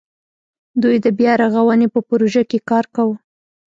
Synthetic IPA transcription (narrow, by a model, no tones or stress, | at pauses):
d̪ujd̪əbjɑɾaɣawənepəpɾoʒakekɑɾkawə